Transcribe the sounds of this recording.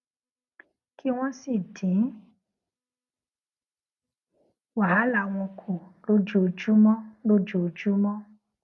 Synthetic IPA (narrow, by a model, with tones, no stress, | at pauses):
kʰi˦w̃ɔ̃˦si˨dĩ˨˦ | wa˨a˨˦la˦˨˧w̃ɔ̃˧kʰo˨lo˦d͡ʒo˦˨˧d͡ʒu˦mɔ̃˦lo˦d͡ʒo˨d͡ʒu˦mɔ̃˦